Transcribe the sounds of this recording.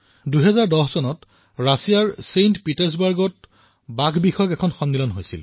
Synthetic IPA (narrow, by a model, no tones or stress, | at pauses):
duɦɛzaɹdɔhsɔnɔt | ɹasijaɹsentpitɛɹs̬baɹɡɔt̚ | baɡʱbixɔjɔkɛkʰɔnxɔnːilɔnɦojsḭl